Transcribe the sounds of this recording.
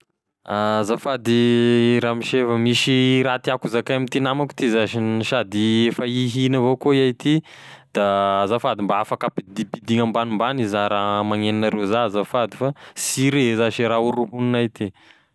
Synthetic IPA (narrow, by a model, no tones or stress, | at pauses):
azafad̪iɾamiʃefəmiʃiɾat̪iakuzakaamit̪inamaku̥t̪izaʃiiʃad̪iefəiɦinəvokoiat̪id̪̥azafad̪imbaafakapid̪ipid̪iŋambanumbanizaɾamaŋeninaɾezazafad̪ifasiɾezaʃiɾauɾuɦuninat̪i